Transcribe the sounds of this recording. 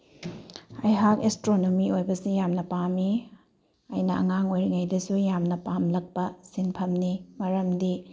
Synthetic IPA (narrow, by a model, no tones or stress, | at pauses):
ɐjɦakestɾonomiojbɐsijamnɐpami | ɐjnɐʔɐ̰ŋaŋojɾiŋɐjdɐsujamnɐpamlɐk̚pɐsinpʰɐmnimɐɾɐmdi